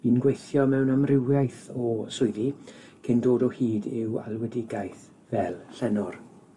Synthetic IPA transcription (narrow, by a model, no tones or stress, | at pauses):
b̥iːnɡwejθjɔmɛwnamrɪwjajθɔsʊɨðikʰɪndoːdɔhiːdɪwa̰lˠwɛdɪɡajθ | vɛlˠɬɛnɔr